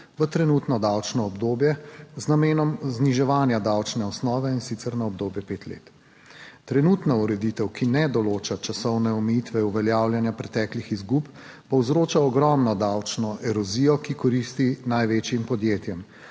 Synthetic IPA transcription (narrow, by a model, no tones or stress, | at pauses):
ʋət̪ɾɛnuːt̪nɔd̪awt͡ʃnɔːbd̪oːbjɛznameːnɔmzniʒɛʋaːnjad̪awt͡ʃnɛɔsnɔːʋɛinsit̪sɛɾnaɔb̚d̪oːbjɛpeːt̪lḛːt̪ | t̪ɾɛnut̪nauɾɛd̪it̪ɛwkinɛd̪ɔloːt͡ʃat͡ʃasɔwnɛɔmɛjit̪ʋɛuʋɛljaːwljanjapɾɛt̪ɛklixizɡup | pɔwzɾoːt͡ʃaɔɡɾɔmnɔd̪awt͡ʃnɔʔɛɾɔzijɔkikɔɾiːst̪inajʋeːt͡ʃjimpɔd̪jeːt̪jɛm